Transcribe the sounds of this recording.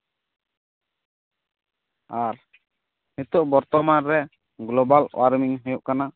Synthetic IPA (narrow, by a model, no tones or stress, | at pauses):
aɾ | mit̪ɔʔbɔɾt̪ɔmanɾɛ | ɡlɔbalw̰ʔaɾmiŋɦejuʔkana